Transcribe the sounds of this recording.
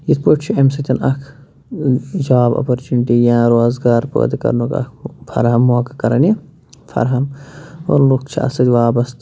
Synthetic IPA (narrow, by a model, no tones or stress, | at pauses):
jit̪ʰpoʈt͡ʃʰiemsɐt̪ʲɐnʔɐkʰ | d͡ʒaːbɐ̰pɐɾt͡ʃuniʈijãːɾoːzɡaːɾpo̰ːd̪ikɐ̰ɾnukɐ̰kʰfʰɐ̰ɾɦɐmːuɐkɐkɐɾɐni | fʰɐ̰ɾɦɐmo̰ɾlukt͡ʃʰiɐ̰sɐd̪ʲʋaːbɐst̪